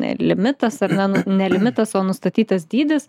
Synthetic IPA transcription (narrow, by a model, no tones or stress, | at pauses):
nʲɛ̰lʲɪmʲɪt̪ɐsɐrnʲɛnʊnʲɛlʲɪmʲɪt̪ɐsoːnʊst̪ɐt̪ʲiːt̪ɐsd̪ʲiːd̪ʲɪs